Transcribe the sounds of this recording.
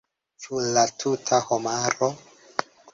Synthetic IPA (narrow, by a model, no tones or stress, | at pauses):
sulatʰutʰahomaɾo